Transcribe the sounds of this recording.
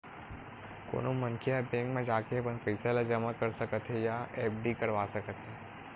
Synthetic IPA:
ko̰ːnomənkʰijapẽːŋɡmẽd͡ʒaːkeɐpənpɛːselad͡ʒəmakɐɾsɐkət̪ɦɛjaeːp̚ɖikɐɾʋaːsɐkət̪ɦɛː

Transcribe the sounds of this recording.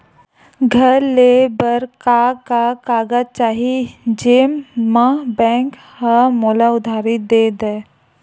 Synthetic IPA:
ɡʱəɾlebəɾkakakaːɡəd͡ʒt͡ʃaːɦid͡ʒeːmːãbɛ̃ːŋk | həmoːlaʊd̪ʱaːɾɪt̪̚d̪eːd̪e

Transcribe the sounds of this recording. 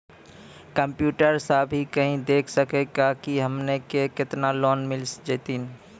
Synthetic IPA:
kəmpjuːʈəɾsəbʱikəɦĩd̪eːkʰsəkeɡakiɦəmnekekɪt̪nalɔːnmɪlsd͡ʒet̪in

